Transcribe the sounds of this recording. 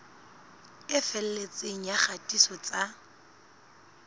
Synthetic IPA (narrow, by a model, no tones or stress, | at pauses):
ɪfɛl̩let͡sʼeŋ̩jaχatʼisɔt͡sʼa